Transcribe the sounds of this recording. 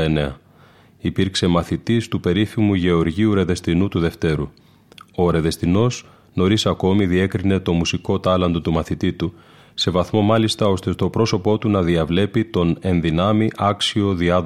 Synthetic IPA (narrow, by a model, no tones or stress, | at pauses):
ene̞ɐ | ipiɾkse̞mɐθit̪ist̪upe̞ɾifimuʝe̞o̞ɾʝiuɾe̞ðe̞st̪inut̪uðe̞ft̪e̞ɾu | o̞ɾe̞ðe̞st̪ino̞z | no̞ɾisɐko̞miðie̞kɾine̞t̪o̞musiko̞t̪ɐlɐnd̪o̞t̪umɐθit̪it̪u | se̞vɐθmo̞mɐlist̪ɐo̞st̪e̞st̪o̞pɾo̞so̞po̞t̪unɐðiɐvle̞pit̪o̞ne̞nðinɐmiʔɐksio̞ðiɐð